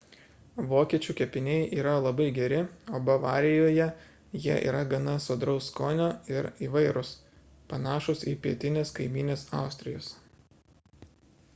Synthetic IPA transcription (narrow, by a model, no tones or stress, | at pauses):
ʋoːkʲiɛt͡ʃʲuːkʲɛpʲɪnʲɛɪʔiːɾɐlˠɐbɐɪɡʲɛɾʲɪoːbɐʋɑːɾʲɪjoːjɛ | jiɛʔḭːɾɐɡɐnɐsoːd̪ɾʊskoːnʲoːɪɾiːʋɐɪɾʊs | pɐnɑːʃʊsiːpʲiɛt̪ʲɪnʲeːskɐɪmʲiːnʲeːsɑˑʊsʲt̪ʲɾʲɪjoːs